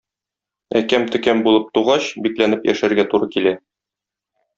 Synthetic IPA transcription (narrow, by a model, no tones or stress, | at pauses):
æ̰kæmt̪ɵ̆kæmbulˠɤp̚t̪uʁɑɕbiklænɘpjæ̰ʃæɾɡæt̪uɾɤkilæ